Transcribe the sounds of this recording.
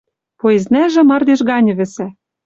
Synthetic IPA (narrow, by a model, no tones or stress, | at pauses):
poeznæʒɘ̆mɑrd̪eʃɣɑnʲɤ̆βɘ̆sæ